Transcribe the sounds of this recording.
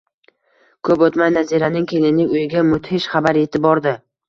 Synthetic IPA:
kʰɵpot̪majnaziɾanɪŋkʲʰelɪnɪʊjɪɡʲamʊt̪hɪʃχabaɾe̞t̪ʰɪbɒɾd̪ɪ

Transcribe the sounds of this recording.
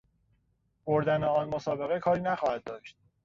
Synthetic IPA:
b̥oɾd̪æneɒːnmosɒːbe̞ɣekʰɒːɾiːnæxɒːhæd̪̚d̪ɒːʃt̪̚

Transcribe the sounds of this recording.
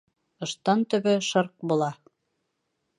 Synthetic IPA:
ɤ̆ʃt̪ɑnt̪ɵ̆βɘʃɤɾq̚bulˠɑ

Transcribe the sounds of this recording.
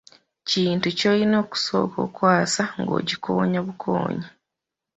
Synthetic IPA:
ciːntucolino̞ːku̥so̞̰ːko̞̰ːkwaːsaŋɡo̞̰ːɟikʰo̞̰ːɲaβukʰo̰ːɲa

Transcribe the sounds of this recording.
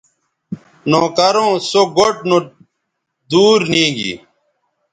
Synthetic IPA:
noːkɐɾõːsoɡoʈ̚no | d̪uːɾnĩːɡḭ

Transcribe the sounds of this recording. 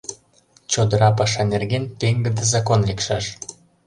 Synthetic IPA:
t͡ɕod̪əɾɑpɑʃɑnerɣent̪eŋɡə̆d̪əzɑkonlekʃɑʃ

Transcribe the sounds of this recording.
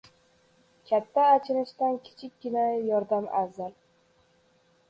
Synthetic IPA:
kʲʰat̪ʰːaːt͡ʃʰɪɾɪʃt̪ankʲʰɪ̥t͡ʃʰɪkʲɡʲɪnajɒɾd̪amazaɾ

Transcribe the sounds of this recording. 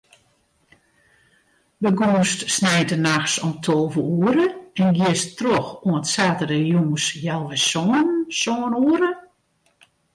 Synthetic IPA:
bəɡuːstsnɛjtənaxsɔmtʰolˠvəuəɾəɛnɡɪəstroxuənətsaːtərəjuːsjalˠʋɪsɔnsɔːnuəɾə

